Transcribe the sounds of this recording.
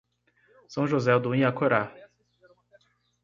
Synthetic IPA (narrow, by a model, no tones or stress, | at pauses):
sɐ̃w̃ʒozɛʊd̪uĩakoɾa